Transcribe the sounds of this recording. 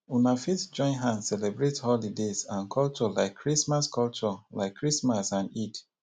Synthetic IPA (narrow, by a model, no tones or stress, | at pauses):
unafitsd͡ʒɔ̃ɪ̃nɦãnsɛlɛbɹethɔlidezãnkʰɔlt͡ʃɔlaɪkʰːɹismaskʰɔlt͡ʃɔlaɪkʰːɹismasãnit